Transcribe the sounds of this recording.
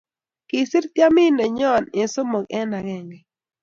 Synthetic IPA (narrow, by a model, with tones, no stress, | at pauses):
kɪ˨sɪ˦ɾt̪ja˦mɪ˦nɛ˨ɲɔ˦˨nɪ˨so˦mo˨ɡɛ˦na˨ɡɛ˦˨ŋɡɛ˨